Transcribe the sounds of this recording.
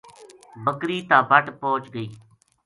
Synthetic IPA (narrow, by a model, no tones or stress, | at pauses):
bəkɾiːt̪ãːbʱəʈpoːt͡ʃɡəiː